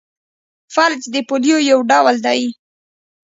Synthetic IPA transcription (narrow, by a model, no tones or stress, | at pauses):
faɾd͡ʒd̪əpolijojawɖawəld̪ɑji